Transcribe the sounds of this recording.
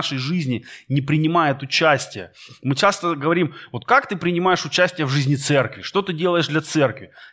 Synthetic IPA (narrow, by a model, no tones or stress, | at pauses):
ʂəjʐɨzʲnʲɪnʲɪpɾʲɪnʲɪmajɪt̪ʊt͡ɕæsʲtʲɪjəmɨt͡ɕast̪əɡəvɐɾʲimvo̞t̪̚kakt̪ɨpɾʲɪnʲɪmajɪʂʊt͡ɕæsʲtʲɪjəvʐɨzʲnʲɪt̪sɛrkvʲɪʂt̪o̞t̪ɨdʲe̞lˠəjɪʂd̪lʲɐt̪sɛrkvʲɪ